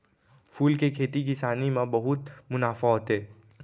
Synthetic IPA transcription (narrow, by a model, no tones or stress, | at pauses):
fʰuːlkekʰeːt̪ikisaːnimãbɐɦʊt̪mʊnaːfaɦoːt̪eɦɛː